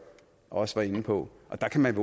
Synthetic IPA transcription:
ɒ̽səʋɑ̈e̝nəpʰɒ̽ʔɒ̽d̥ɑ̈kʰæmænʋo

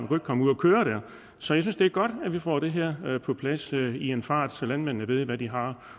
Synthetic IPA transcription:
nkʰue̝ɡ̥kʰɒ̽muð̰ˠɒkʰøːɐɾ̥æɐ̰ | sɒjɑsynsd̥e̝æɐɡ̥ɒ̽d̥æʋifɒ̰ːɾ̥e̝ɦɛɐ̰pʰɒ̽pʰlæsienfɑ̰̈ːd̥sɒlænmen̰nəʋe̝ð̞̰ˠʋæd̥iɦɑ̈

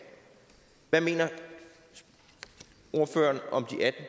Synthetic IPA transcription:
ʋæme̝̰ːnɐ | o̝ɐfø̰ːɐnɒ̽md̥iʔæd̥n̩

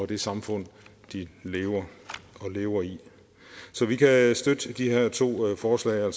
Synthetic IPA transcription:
ɒ̽d̥e̝sɑ̈mfɔ̽n̰ | d̥ile̝ːʊɐɒ̽le̝ːʊɐi | sɒ̽ʋikʰæsd̥ød̥əd̥iheɐ̰t͡sʰo̝̰ːfɒːslɛ̰ɪæl̰s

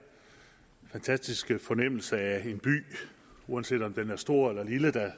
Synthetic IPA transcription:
fænt͡sʰæsd̥isɡ̥əfɒ̽nem̰l̩sɐæe̝nb̥y̰ː | uænse̝̰ːd̥ɒ̽md̥enæɐsd̥o̝ɐ̰elɐliləd̥æ

